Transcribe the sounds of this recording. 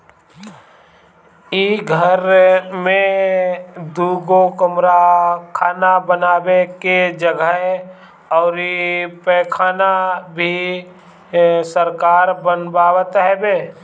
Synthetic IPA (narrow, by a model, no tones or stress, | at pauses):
iɡʱəɾmẽ | d̪uːɡokəmɾakʰaːnabənaːbeked͡ʒəɡəɦe | ɔːɾipɛkʰaːnabʱi | səɾkaːɾbənbaːwət̪ɦɛbeː